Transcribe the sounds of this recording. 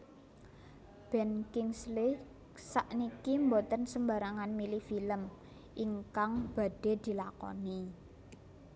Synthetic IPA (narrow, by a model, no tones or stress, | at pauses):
b̥ɛ̤nkɪŋslɪ | saʔnikimbot̪ənsəmba̤ɾaŋanmilifiləm | ʔiŋkaŋb̥a̤ɖ̥e̤d̪̥i̤lakɔ̰ni